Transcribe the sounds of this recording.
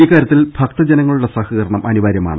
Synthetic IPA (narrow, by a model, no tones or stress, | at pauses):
iːkːaːɾjɐt̪ːilb̥ʱɐk̚t̪ɐd͡ʑenɐŋːɐɭuɽesɐhɐɣɐɾɐɳɐmʔɐnuʋaːɾjɐma̰ːɳɨ